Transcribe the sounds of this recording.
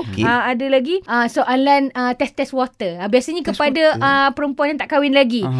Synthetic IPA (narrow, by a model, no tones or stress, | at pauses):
kəadalaɡiəsoʔalanət̪ɛst̪ɛswɔt̪əəbiasaɲakəpadaʔəpəɾəmpuãnjãŋt̪aʔkawɪnlaɡi